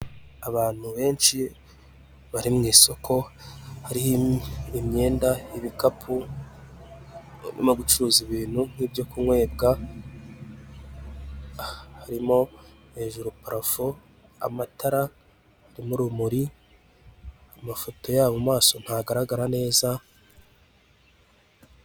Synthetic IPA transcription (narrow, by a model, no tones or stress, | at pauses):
aβaːn̥huβe̞ːnʃi | βaɾimŋiːso̞kʰo̞haɾihimɲe̞ːndaiβikapʰu | nʔḭmoɡut͡ʃuuziβiːn̥hun̥ibjo̞kumwe̞ːb̚ɡa | haɾimo̞ | he̞ʒuɾupaɾafu | a̰mataɾa | haɾimuɾumuɾi | amafo̞to̞jaːβomumaːso̞n̥haɡaɾaɡaɾane̞ːza